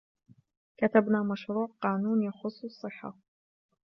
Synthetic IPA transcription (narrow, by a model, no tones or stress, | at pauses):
kat̪abnaːmaʃɾuːʕqɑːnuːnjaxʊsˤːɑsˤːɨħːa̰